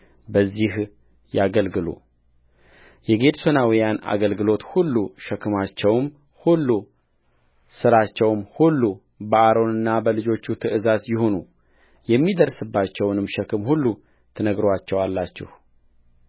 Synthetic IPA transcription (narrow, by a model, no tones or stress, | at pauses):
bəzːih | jaɡəlɡɨlṵ | jɛɡe̞d̪so̞nawijana̰ɡəlɡɨlo̞t̪hulːuʃɛkʰɨmat͡ʃːɛwm | hulːu | sɨɾat͡ʃːɛwmhulːu | bəʔaɾo̞nɨnːabəlɨd͡ʒo̞t͡ʃːut̪ʰɨʔɨzazjɪho̞nu | jɛmːid̪əɾsɨbːat͡ʃːɛwnɨmʃɛkʰɨmhulːu | t̪ʰɨnəɡɾowat͡ʃːɛwalːat͡ʃːɪ̰h